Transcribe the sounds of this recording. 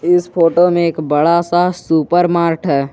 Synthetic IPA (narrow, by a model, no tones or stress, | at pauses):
ɪspʰoːʈomẽeːkbɐɽasasuːpəɾmaːɾʈʰɦɛː